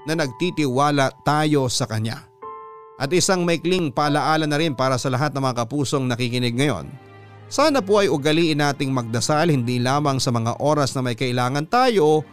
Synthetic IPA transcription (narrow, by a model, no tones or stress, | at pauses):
nɐnɐɡ̚t̪it̪ɪwaːlɐt̪aːjo̞sɐkɐɲa̰ | ʔɐt̪ʔɪsaŋmɐɪkliŋpɐʔɐlɐʔaːlɐnːɐɾɪnpaːɾɐsɐlɐɦat̪nɐŋmɐŋakɐpuːso̞ŋnɐkikɪnɛɡ̚ŋɐjo̞̰n | saːnɐp̬oʔɐjʊɡɐliːʔɪnːaːt̪ɪŋmɐɡ̚d̪ɐsalhɪnd̪iːlaːmɐŋsɐmɐŋa̰ʔo̞ːɾɐsnɐmɐjkɐʔɪlaːŋɐnt̪aːjo̞